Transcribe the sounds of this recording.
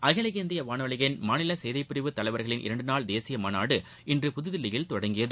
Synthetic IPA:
ʔɐɣɐlɐɣend̪ɪjɐʋaːnɐʋɐɭɪɣɐnmaːnɪlɐsɛjðɐɪpːɪɾɪʋɯt̪ːɐlɐɪʋɐɾɣɐɭɪnʔɪ̰ɾɐɳɖɯnaːɭd̪eːsɪjɐmaːna̰ːɽɯ | ɪndrɯpʊðɯðɪlːɪjɪlt̪ɔɽɐŋɡɪjɐðɯ

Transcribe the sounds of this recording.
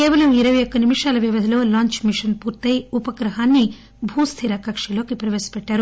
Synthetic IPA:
keːʋɐlɐmiɾɐʋɐjokːɐnimuʂaːlɐʋiʋɐd̪ʱɐlo̞ːlaːɲt͡ʃmiʂɐnpuːɾt̪ɐjupɐkɾɐɦaːnːi | bʱuːst̪ʰiɾɐkɐkʂɐlo̞ːkipɾɐʋeːsɐ̥pɛʈːaːɾu

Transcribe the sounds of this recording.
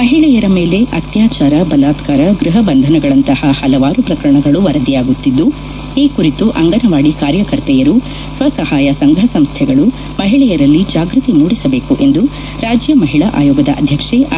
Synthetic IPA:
mɐɦiɭɛjɐɾɐme̞ːle̞ʔɐt̪jaːt͡ʃaːɾɐbɐlaːt̪kaːɾɐɡɾuɦɐbɐnd̪ʱɐnɐɡɐɭɐnt̪ɐhɐhɐlɐʋaːɾupɾɐkɐɾɐɳɐɡɐɭuʋɐɾɐd̪ijaːɡut̪ːid̪ːu | iːkuɾit̪uʔɐŋɡɐnɐʋaːɽikaːɾjɐkɐɾt̪ɛjɐɾu | sʋɐsɐhaːjɐsɐŋɡʱɐsɐmst̪ʰɛɡɐɭu | mɐɦiɭɛjɐɾɐlːid͡ʒaːɡɾut̪imuːɽisɐbe̞ːkuʔe̞nd̪u | ɾaːd͡ʒjɐmɐɦiɭɐʔa̰ːjɔːɡɐd̪ɐʔɐ̰d̪ʱjɐkʂe

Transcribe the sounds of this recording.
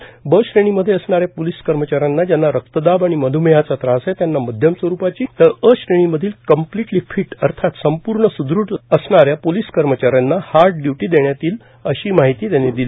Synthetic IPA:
bəɕɾeɽ̃iməd̪ʱːjeəsɳaɾjapoliskəɾmət͡ɕaɾjanːad͡ʑjanːaɾək̚t̪əd̪abaɽ̃iməd̪ʱumejat͡sat̪ɾãəset̪janːaməd̪ʱjəmsʋəɾupat͡ɕiːt̪əɾəɕɾeɽ̃iməd̪ʱiːlkəmpliʈliːfʰiʈəɾt̪ʰat̪səmpuɾɳəsud̪ɾuʈəsɳaɾjapoliskəɾmət͡ɕaɾjanːahaɾʈ̚ɖjuʈiːd̪eɳjat̪iːl | əɕiːmaɦit̪iːt̪janːed̪ili

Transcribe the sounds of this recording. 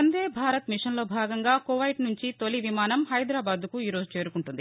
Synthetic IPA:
ɐnd̪eːbʱaːɾɐt̪miʂɐnlo̞ːbʱaːɡɐŋɡaːkoʋɐjʈnuɲt͡ʃit̪oliʋimaːnɐmɦɐjd̪ɾaːbaːd̪kuiːɾo̞ːd͡ʒut͡ʃe̞ːɾukuɳʈund̪i

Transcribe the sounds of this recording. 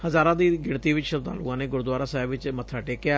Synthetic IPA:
həzaːɾãːd̪iːɡɪɽt̪iːʋɪt͡ʃʃəɾt̪a̰ːlṵːãːnẽːɡʊɾd̪waːɾaːsaːbʋɪt͡ʃmət̪ʰaːʈeːkɪaː

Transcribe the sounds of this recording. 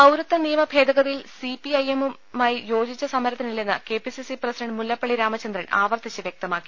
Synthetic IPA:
ɐwɾɐt̪ːɐnijɐmɐbʱe̞ːd̪ɐɣɐðɐjilsipiɐjemu | maːjijo̞ːd͡ʑit͡ɕːɐsɐmːɐɾɐt̪ːinilːenːɨke̞ːpisisiprɐsiɖɐɳɖmulːɐpːɐɭiɾaːmɐt͡ɕːɐnd̪rɐnaːʋɐrt̪it͡ɕːɨʋjek̚t̪ɐmaːkːi̥

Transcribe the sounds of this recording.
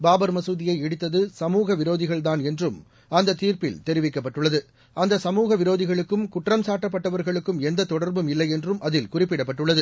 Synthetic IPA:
baːbɐɾmɐsuːðɪjɐɪɛɽɯt̪ːɐðɯsɐmuːɣɐʋɪɾoːðɪɣɐɭt̪aːnɛndrɯm | ɐnd̪ɐt̪ːiːɾpɪlt̪ɛɾɪʋɪkːɐpːɐʈːɯɭːɐðɯ | ʔɐnd̪ɐsɐmuːɣɐʋɪɾoːðɪɣɐɭɯkːɯmkʊʈrɐmsaːʈːɐp̬ːɐʈːɐʋɐɾɣɐɭɯkːɯmɛnd̪ɐt̪ːɔɽɐɾbɯmɪlːɐɪɛndrɯmʔɐðɪlkʊrɪpːɪɽɐp̬ːɐʈːɯɭːɐðɯ

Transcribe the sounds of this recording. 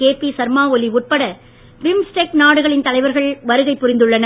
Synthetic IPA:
keːpisɐɾmaːɔliʊʈ̚pɐɽɐ | ʋɪmsʈeːk̚naːɽɯɣɐɭɪnt̪ɐlɐɪʋɐɾɣɐɭʋɐɾɯɣɐɪpːʊɾɪnd̪ɯɭːɐnɐ

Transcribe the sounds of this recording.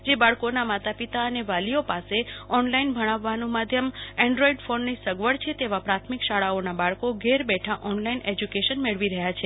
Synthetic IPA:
d͡ʒebaɭkonamat̪apit̪aəneʋaliopaseɔnlainbʱəɽ̃aʋːanũmad̪ʱjəmɛ̃ɳɖɾoiɖfonːisəɡʋəɽt͡ʃʰet̪eʋapɾat̪ʰmikʃaɭaonabaɭkoɡeɾbɛʈʰaʔɔnlained͡ʒukeʃənmeɭʋiɾəɦjat͡ʃʰe

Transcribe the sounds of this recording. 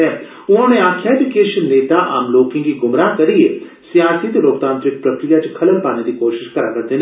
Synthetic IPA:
ɛ̃ | ʊnɦõːneaːkʰːjaed͡ʒukeːʃənːeːt̪aʔa̰ːmloːkɪ̃ŋɡkiɡʊmɾaːkɐɾie | sjaːsit̪loːk̚t̪ãːnt̪ɾɪk̚pɾɐkɾijat͡ʃekʰɐləmpaːned̪ikoːʃɪʃkɐɾakɐɾt̪en

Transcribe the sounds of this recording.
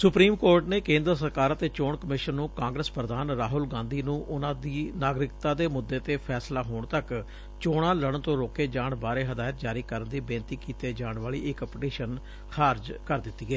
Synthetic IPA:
sʊpɾiːmkoːɾʈneːkẽːnd̪ɾəsəɾkaːɾət̪eːt͡ʃoːɳkəmɪʃənːũːkãːŋɡɾəspɾəd̪aːnɾaːɦʊlɡãːnd̪iːnũːʔʊnãːd̪iːnaːɡɾɪkt̪ãːd̪eːmʊd̪ːeːt̪eːpʰɛːslaːɦoːɳt̪ək | t͡ʃoːɽãːləɽənt̪õːɾoːkeːd͡ʒaːɳbaːɾeːɦəd̪aːjt̪̚d͡ʒaːɾiːkəɾənd̪iːbẽːnt̪iːkiːt̪eːd͡ʒaːɳʋaːɭḭːɪkpʈiːʃən | xʰaːɾd͡ʒkəɾd̪ɪt̪ːiːɡɛː

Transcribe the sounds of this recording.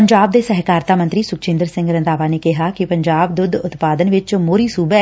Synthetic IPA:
əɲd͡ʒaːbd̪eːsɛɦkaːɾt̪aːmənt̪ɾiːsʊkt͡ʃɪ̃nd̪əɾsɪ̃ŋɡɾənd̪aːʋaːneːkɪɦakɪpəɲd͡ʒaːbd̪ʊd̪ʱʊt̪paːd̪ənʋɪt͡ʃmoːɾiːsuːbɛː

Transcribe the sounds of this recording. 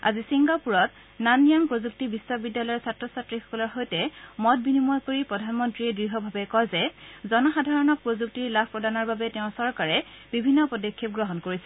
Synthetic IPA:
a̰zisiŋɡapuɹɔt | nanijampɹozuk̚tibiswɔbidːalɔjɔɹsatɹɔsatɹixɔ̥kɔlɔɹxojtɛmɔt̚binimɔjkoɹipɹɔdʱanmɔntɹiɛdɹiɦɔbʱabɛkɔzɛzɔnɔxadʱaɹɔnɔk̚pɹozuk̚tiɹlabʰʱpɹɔdanɔɹbabɛtɛʊ̃sɔɹkaɹɛb̥ibʱinːɔpɔdɔkʰːip̚ɡɹɔɦɔnkoɹisɛ̥

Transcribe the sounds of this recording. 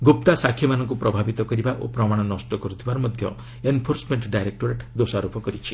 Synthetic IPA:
ɡop̚t̪asakʰːjɔmanɔŋkupɾɔbʱabit̪ɔkɔɾibaʔo̰pɾɔmaɽ̃ɔnɔsʈɔkɔɾut̪ʰibaɾɔmɔd̪ʱjɔ̰ | enpʰoɾsmeɳʈɖajɾek̚ʈoɾeʈd̪osaɾupɔkɔɾit͡ʃʰi̥

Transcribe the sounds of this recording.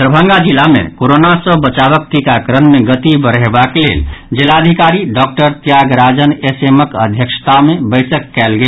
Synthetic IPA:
ɾəbʱə̃ŋɡad͡ʒilːamḛkoɾonasə̃bət͡ʃaβək̚t̪ikakɾənmeɡət̪ibəɾɦebakelḛld͡ʒelaəd̪ʱikaɾiɖɔk̚ʈəɾt̪jaɡɾad͡ʒəneseməkəd̪ʱjəkʃt̪amebəɪsəkːɛlɡe

